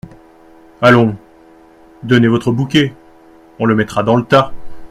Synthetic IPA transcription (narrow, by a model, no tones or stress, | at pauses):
alɔ̃ | d̪ɔnevɔt̪χəbukʲe | ɔ̃ləmɛt̪χad̪ɑ̃lət̪a